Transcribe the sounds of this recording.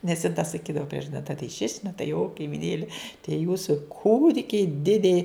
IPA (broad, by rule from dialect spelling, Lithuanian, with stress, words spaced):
nʲɛs jɪn tɐ sɐˈkʲiːdɐʋoː ˈpʲrʲiɛʒɐdʲɪ nɐ tɐɪ ʃʲɪʃʲ nɐ tɐɪ joː kɐɪmʲɪˈnʲeːlʲɪ tʲiɛ ˈjuːsʊ ˈkuːdʲɪkʲɛɪ ˈdʲɪdʲɛɪ